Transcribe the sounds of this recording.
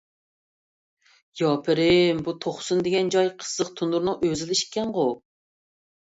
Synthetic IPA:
jɑːpʰɪɾɪmbut̪ʰoχsund̪ɪɡʲɛnd͡ʒɑjqʰə̥zːəqt̪ʰunuɾnɨŋøzɪlɪʃkʲʰːɛnʁʊ

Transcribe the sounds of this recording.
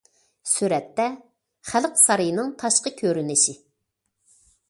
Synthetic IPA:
syɾɛt̪ːɛ | χælqsɑɾɨjnɨŋt̪ʰɑʃqəkʲʰøɾynɪʃɪ

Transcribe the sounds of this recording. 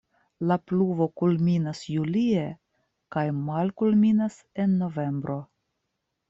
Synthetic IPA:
lapluvo̞kulminasjulie̞ | kajmalkulminas | e̞nːo̞ve̞mbɾʔo̞

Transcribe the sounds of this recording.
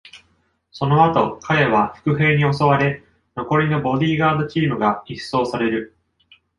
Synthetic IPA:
so̞no̞at̪o̞kʰae̞β̞aɸɯ̟̥kɯ̟ɸe̞ːɲ̟io̞so̞β̞aɾe̞ | no̞ko̞ɾʲino̞bo̞d̪ʲiːɡaːd̪ɯt͡ɕiːmɯ̟ɡaiso̞ːsaɾe̞ɾɯ̟

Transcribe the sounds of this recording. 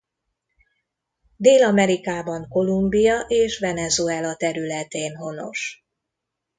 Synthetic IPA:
d̪eːlɒmɛɾikaːbɒŋko̞lumbijɒʔeːʃʋɛnɛzuɛlɒt̪ɛɾylɛt̪eːnɦo̞no̞̰ʃ

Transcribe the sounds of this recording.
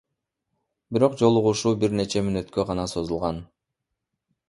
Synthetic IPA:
biɾo̞qd͡ʒo̞lˠuʁuʃuːbiɾne̞t͡ʃe̞mynø̞t̪kø̞ʁɑnɑso̞zulˠʁɑn

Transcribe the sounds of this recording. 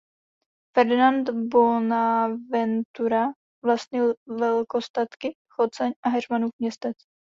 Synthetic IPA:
fɛɾd̪ɪnant̪bonavɛnt̪uɾa | vlast̪̚ɲɪlvɛlkost̪at̪kɪ | xot͡sɛɲʔaɦɛrmanuːfmɲɛst̪ɛt͡s

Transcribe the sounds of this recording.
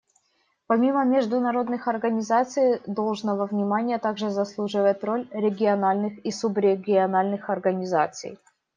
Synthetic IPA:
pɐmʲiməmʲɪʐd̪ʊnɐɾo̞d̪nɨxɐrɡənʲɪzat̪sɨjd̪o̞lˠʐnəvəvnʲɪmanʲɪjət̪aɡʐɨzɐslˠuʐɨvət̪ʲro̞lʲɾʲɪɡʲɪɐnalʲnɨxisʊbɾʲɪɡʲɪɐnalʲnɨxɐrɡənʲɪza̰t̪sɨ̰j

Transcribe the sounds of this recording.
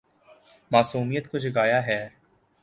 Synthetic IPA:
maːsuːmijət̪kʊt͡ʃʰɡaːjaɦɛː

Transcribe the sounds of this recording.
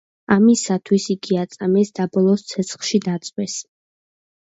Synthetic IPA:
amisat̪ʰwisiɡiat̪sʼamɛsd̪abɔlˠɔst̪sʰɛt̪sʰχʃid̪at̪sʼwɛs

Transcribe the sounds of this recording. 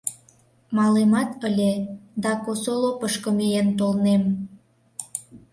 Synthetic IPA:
mɑlemɑt̪əlʲed̪ɑkosolopəʃkə̆mijent̪olnem

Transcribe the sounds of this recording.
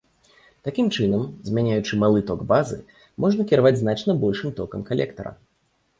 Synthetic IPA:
t̪akʲimt͡ʂɨnɐmzʲmʲanʲajut͡ʂɨmalˠɨt̪ɔɡbazɨ̰ | mʔɔʐnɐkʲiɾavad͡zʲznat͡ʂn̪ɐbɔlʲʂɨmt̪ɔkɐmkalʲɛ̰kt̪ɐɾɐ̰

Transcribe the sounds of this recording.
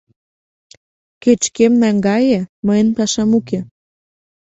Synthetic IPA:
ket͡ɕkemnæŋɡɑjeməjənpɑʃɑmuke

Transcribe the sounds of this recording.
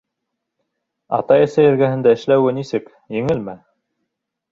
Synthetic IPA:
ɑ̰t̪ɑɘ̆sæjɘ̆ɾɡæhɘ̆nd̪æɘ̆ʃlæwɘnisɘk | jɘ̆ŋɘlmæ

